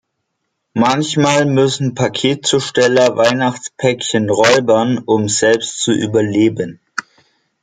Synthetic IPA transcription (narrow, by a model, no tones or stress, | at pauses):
mançmaːlmʏsn̩pʰakʰeːt̚t͡suːʃtɛlɐvaɪnaχt͡spʰɛkçənʁɔʏbɐnʔʊmzɛlpstt͡suʔy̰ːbɐleːbən